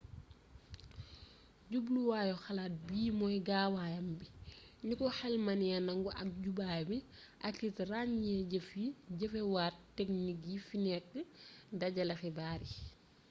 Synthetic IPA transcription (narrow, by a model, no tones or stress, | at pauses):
ɟubluwaːjɔxɐlaːt̚biːmɔjɡaːwaːjɐmbiɲukɔxɛlmɐnijɐnɐŋɡuʔɐ̰k̚ɟubajbi | ʔɐkːitraɲɲɛɟəfiɟəfɛwaːttːɛk̚nik̬̚jifinɛkːədɐɟɐlɐxibaːɾi